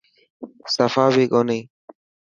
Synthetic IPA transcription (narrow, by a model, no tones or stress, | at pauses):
səfaːʋiːkoːniː